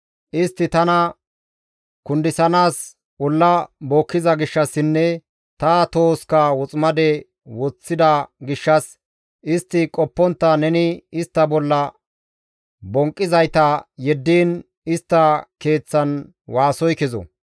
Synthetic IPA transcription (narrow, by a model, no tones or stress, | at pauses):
ʔɪst̪ːɪt̪ɐnɐ | kʊnd̪ɪsɐnaːs | bɔlːɐboːkːɪzɐɡɪʃːɐsːɪnːɛ | t̪ɐt̪o̞ːskɐwɔt͡sʼmɐd̪ɛ | wɔt͡sːɪd̪ɐɡɪʃːɐs | ʔɪst̪ːɪkʼɔpːɔnt̪ːɐnɛnɪɪst̪ːɐbɔlːɐ | bɔŋkʼːɪzɐjt̪ɐjɛd̪ːiːn | ɪst̪ːɐke̞ːt͡sːɐn | waːsɔjkɛzɔ̰